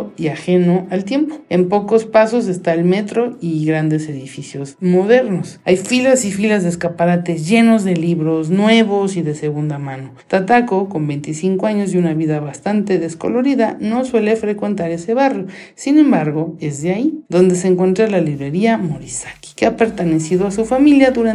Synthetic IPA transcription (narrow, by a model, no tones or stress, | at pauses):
iaxe̞no̞alt̪je̞mpoe̞mpo̞ko̞spaso̞s̬e̞st̪aelme̞t̪ɾo̞iɣɾand̪e̞se̞ðifisjo̞zmo̞ðe̞ɾnosajfilasifilazðeskapaɾat̪ezʝe̞no̞zðe̞liβɾo̞snwe̞βosiðe̞seɣund̪amãno̞t̪at̪akoko̞mbe̞jnt̪isiŋkoaɲo̞zðjunaβiðaβast̪ant̪e̞ðe̞sko̞̰lo̞ɾiðano̞swe̞le̞fɾe̞kwe̞nt̪aɾe̞se̞βarjo | sinẽ̞mbaɾɣo̞e̞zðeaid̪o̞nd̪e̞seːŋkwe̞nt̪ɾalaliβɾe̞ɾiamo̞ɾisḁki̥keape̞ɾt̪ene̞siðoasufamiljaðuɾa